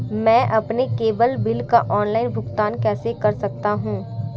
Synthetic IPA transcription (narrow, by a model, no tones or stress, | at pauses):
mɛ̃ːʔɐpnekeːbəlbɪlka̰ʔɔːnlaːɪnbʱʊɡt̪aːnkɛːsekɐɾsɐk̚t̪aɦũː